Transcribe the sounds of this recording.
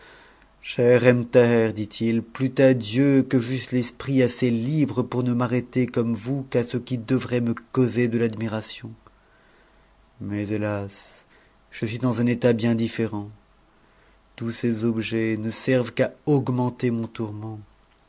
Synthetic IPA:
ʃɛʁɛmt̪ɛʁd̪it̪ʰilplyt̪ad̪jøkəʒyst̪lɛspχiaselibʁəpuʁnəmaʁet̪ekɔmvukasəkʲid̪əvʁɛməkɔzed̪əlad̪miʁasjɔ̃ | mɛzelas | ʒ̥əsɥid̪ɑ̃zɛ̃net̪abjɛ̃d̪ifeʁɑ̃ | t̪usezɔbʒɛnəsɛʁvkaɔɡmɑ̃t̪emɔ̃t̪uʁmɑ̃

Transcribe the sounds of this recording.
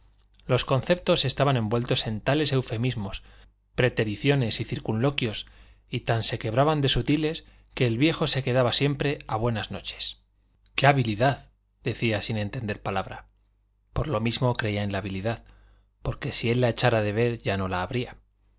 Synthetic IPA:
lo̞sko̞nθe̞p̚t̪o̞se̞st̪aβanẽ̞mbwe̞lt̪o̞se̞nt̪ale̞se̞wfe̞mizmo̞s | pɾe̞t̪e̞ɾiθjo̞ne̞siθiɾkunlo̞kjo̞s | it̪anse̞ke̞β̞ɾaβand̪e̞sut̪ile̞s | ke̞ːlβje̞xo̞se̞ke̞ðaβasje̞mpɾe̞aβ̞we̞nazno̞t͡ʃe̥s | ke̞aβiliðað | ðe̞θiasine̞nt̪e̞nd̪e̞ɾpalaβ̞ɾa | po̞ɾlo̞mizmo̞kɾe̞iaenlaːβ̞iliðað | po̞ɾke̞sie̞lːae̞t͡ʃaɾaðe̞β̞e̞ɾʝanolaːβɾia

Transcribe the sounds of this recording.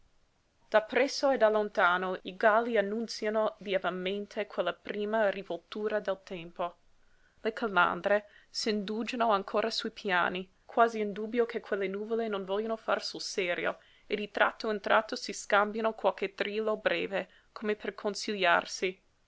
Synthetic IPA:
d̪̥apːɾɛsːoed̪alont̪aːnoiɡalːianːunt̪sjanovjɛvamẽnt̪ʰekwelːapɾiːmarivolt̪uːɾad̪ɛlt̪ɛmpo | lekʰala̰nd̪ɾesind̪uːd͡ʒanoaŋkʰoːɾasuipʰja̰ːni | kʰwaːziind̪uːbjokʰekʰwelːenuːvolenõnvɔljanofa̰rsulsɛːɾjo̰ | ed̪it̪ɾʔa̰t̪ʰːount̪ɾʔat̪ːosiskambjanokwalket̪ɾiːlobɾɛːve | kʰomepʰerkʰonsilja̰rsi

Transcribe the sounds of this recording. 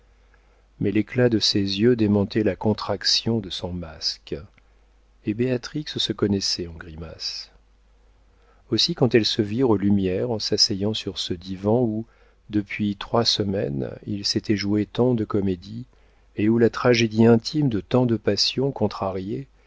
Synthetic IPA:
mɛleklad̪əsezjød̪emɑ̃t̪ɛlakɔ̃t̪χaksjɔ̃d̪əsɔ̃mask | ebeat̪χikssəkɔnɛsɛɑ̃ɡʁimas | osikɑ̃t̪ɛlsəviʁolymjɛʁɑ̃sasɛjɑ̃syʁsəd̪ivɑ̃u | d̪əpɥit̪χwasəmɛ̰nḭlset̪ʰɛʒuet̪ɑ̃d̪əkɔmed̪i | eulat̪χaʒed̪iɛ̃t̪ʰimd̪ət̪ɑ̃d̪əpasjɔ̃kɔ̃t̪χaʁje

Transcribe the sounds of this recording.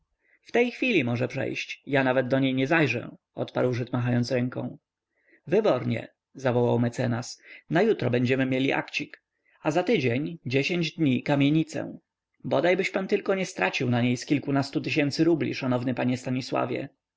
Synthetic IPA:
ft̪ɛjxfʲilʲimɔʐɛpʂɛ̰jɕt͡ɕjanavɛd̪̚d̪ːɔɲejɲɛzajʐɛ̰ | ɔ̰t̪pa̰ɾwʐɘt̪maɦajɔnt̪sɾɛŋkɔ̰̃w̃ | vɘbɔɾɲɛ̰ | zavɔwawmɛt̪sɛnasnajut̪ɾɔbɛɲd͡ʑɛmɘmʲjelʲiʔa̰kt͡ɕik | azat̪ɘd͡ʑeɲd͡ʑeɕeɲd͡ʑd̪ɲikamʲjeɲit̪sɛ̰ | bɔd̪ajbɘɕpant̪ɘlkɔɲɛst̪ɾat͡ɕiwnaɲejskʲilkunast̪ut̪ɘɕ̬ɛnt̪sɘɾublʲḭʂanɔvnɘpaɲɛst̪aɲiswa̰vʲjɛ̰

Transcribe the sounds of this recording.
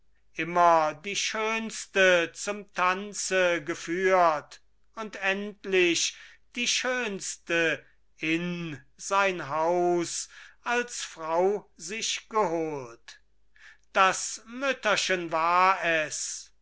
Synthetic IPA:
ʔɪmɐdiːʃøːnstət͡sʊmtʰant͡səɡəfyːɐt | ʊntɛntlɪɕd̥iːʃøːnstə | ɪn | zaɪnɦaʊsalsfʁaʊzɪʃɡ̥əɦoːlt | d̥asmʏtɐʃənvaːɐɛs

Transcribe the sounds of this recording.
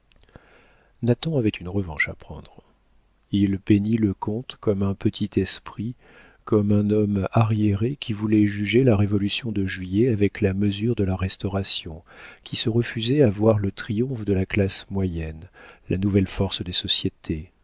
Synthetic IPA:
nat̪ɑ̃avɛt̪ʰynʁəvɑ̃ʃapχɑ̰̃d̪ʁ | ilpeniləkɔ̃t̪kɔmɛ̃pət̪ʰit̪ɛspχi | kɔmɛ̃nɔmaʁjeʁekʲʰivulɛʒyʒelaʁevɔlysjɔ̃d̪əʒɥijɛavɛklaməzyʁd̪əlaʁɛst̪ɔʁasjɔ̃kʲʰisəʁəfyzɛavwaʁlət̪χijɔ̃fd̪əlaklasmwajɛnlanuvɛlfɔʁsd̪esɔsjet̪ʰe

